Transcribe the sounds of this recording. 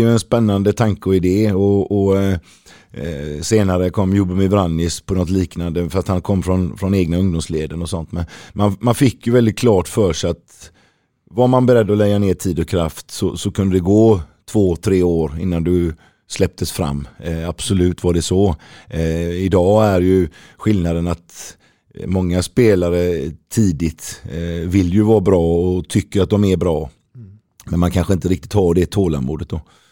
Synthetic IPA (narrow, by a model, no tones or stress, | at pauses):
jɛnspɛnːand̪ət̪ʰaŋkəɔɪd̪eːɔɔ | seːnaɾəkʰɔmːjuːbəmɪvɾanːɪspʰɔnɔt̪liːknand̪əfɾast̪hankʰɔmːfɾɔnfɾɔneːɡnaɵŋd̪ʊmsleːd̪ənɔsɔnt̪mɛnmanmanfɪkːjɵvɛld̪ɪt̪̚kʰlɑːʈfœːʂat̪ | vaɾmanbɛɾɛd̪ːɔlɛɡːaneːʈʰiːd̪ɔkʰɾaft̪sɔsɔkʰɵnd̪əd̪ɛɡoːt̪ʰvoːt̪ʰɾeːoːɾɪnːand̪ɵ | slɛp̚t̪ʰəsfɾa̰mːab̥sɔlʉ̟ːt̪vaɖɛsɔ | ɪd̪ɑːæɾjɵ | ɧɪlnad̪ənat̪ | mɔŋːaspeːlaɾət̪ʰiːd̪ɪt̪vɪlːjɵvɑːbɾɑːɔt̪ʰʏkːəɾat̪̚d̪ɔmɛbɾɑː | mɛnmankʰanɧəɪnt̪əɾɪk̚t̪ɪt̪hɑːɖɛt̪ʰoːla̰mṵːd̪ət̪̚d̪ɔ